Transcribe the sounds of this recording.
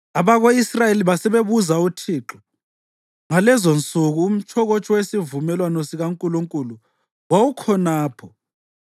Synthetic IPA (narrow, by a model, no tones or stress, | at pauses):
aβaɣoisrajeliβasɛβeβuzautʰiːǃɔ | ŋalɛzɔnt͡sʼuɣuːm̩t͡ʃʰɔɣɔt͡ʃʼɔwesivumɛlwanosiɣaŋkʼuluŋkʼulu | wawukʰɔnaːpʰɔ